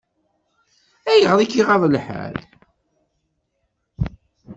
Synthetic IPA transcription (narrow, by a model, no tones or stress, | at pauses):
æjəʁðˤikːiʁɑðˤəlħæ̰ɾ